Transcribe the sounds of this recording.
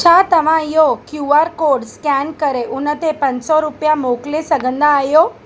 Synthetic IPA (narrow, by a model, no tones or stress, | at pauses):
t͡ɕʰaːt̪əʋ̤ãijokjuːaːɾkoːɾɖskɛnkəɾeʔʊnət̪epə̃ɲsɔɾʊpjamoklesəɡənd̪ãajo